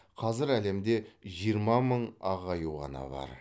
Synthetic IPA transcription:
qʰɑzɪɾæle̞md̪e̞ʒijəɾmɑməɴɑʁɑjuwʁɑ̰nɑ̰bɑ̰ɾ

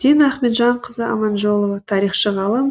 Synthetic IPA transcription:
d̪inæχmet̪ʒɑɴqʰəzəɑ̰mɑnʒolˠovɑt̪ʰɑɾiχʃəʁɑlˠəm

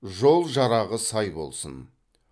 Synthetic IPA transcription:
ʒo̞lˠʒɑɾɑʁəsɑjbo̞̰lˠsə̰n

